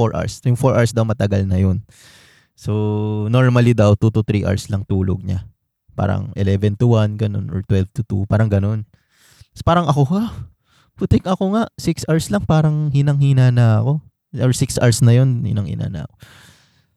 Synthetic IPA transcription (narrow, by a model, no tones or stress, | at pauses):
foɹʔa̰ɹsjʊŋfoɹʔaɹsd̪ɐwmɐt̪ɐɡɐlnɐjon | sonoɹmɐlid̪ɐwt̪ut̪ʊt̪ɾiʔa̰ɹslɐŋt̪uːlo̰ɡ̚ɲa | pa̰ːɾɐ̰ŋʔɛlɛvɛnt̪ʊwanɡɐno̞̰nʔɔɹt̪wɛlvt̪ʊt̪ṵpaːɾɐŋɡɐno̞n | spaːɾɐŋʔɐkoha | pʊt̪ɪkʔɐkoŋaʔsɪksʔaɹslɐŋpaːɾɐŋhɪnɐŋhinaːnɐɐko̞ | oɹsɪksʔa̰ɹsnɐjo̞nhɪ̰nɐŋhɪ̰na̰ːnɐ̰ʔɐ̰ko